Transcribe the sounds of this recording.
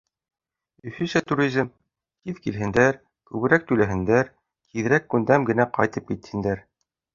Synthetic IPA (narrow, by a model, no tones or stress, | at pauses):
ɵ̆θɵ̆nsæt̪uɾʲizʲm | t̪iðkilɦɘ̆nd̪æɾ | kʉβɘ̆ɾæk̚t̪ʉlæɦɘ̆nd̪æɾ | k̪ʰiðɘ̆ɾækːʉnd̪æmɡɘ̆næqɑ̰jt̪ɤp̚kit̪hɘ̆nd̪æɾ